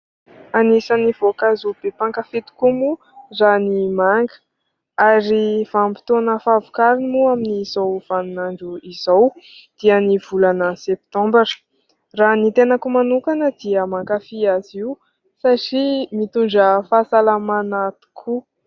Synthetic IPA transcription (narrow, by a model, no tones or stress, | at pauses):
anisaniv̥okazub̥epaŋkəfet̪u̥kumu | ranimaŋɡə̥ | aɾivampi̥t̪onəfavukaɾinimuaminizowv̥anunaɳɖ͡ʐuizawd̪̥iəniv̥ulanəsep̚t̪ɔ̃mbəɾi̥ | ranit̪enəkumanukanəd̪iəmaŋkafiaziu | saʈ͡ʂimit̪uɳɖ͡ʐəfasalamanat̪u̥kʰu